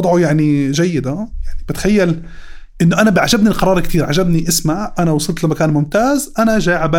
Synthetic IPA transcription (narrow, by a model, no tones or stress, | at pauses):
d̪ˤʕujaʕniʒajːɪd̪ajaʕnibɪt̪xajːal | ʔɪnːʊʔanabɪʕaʒabniqɑɾˤɑːɾˤkt̪iːɾʕad͡ʒabniʔɪsmaʕʔanawɑsˤɨlt̪lamːakaːnmʊmt̪aːzʔanaʒaːʕaba